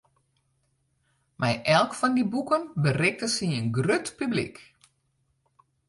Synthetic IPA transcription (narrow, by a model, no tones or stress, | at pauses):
mʔɛjʔɛlˠkfɔndibukənbərɪk̚təsiənɡrøtpyblḭk